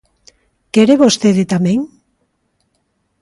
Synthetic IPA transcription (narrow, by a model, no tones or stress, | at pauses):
keɾeβost̪eðet̪amẽŋ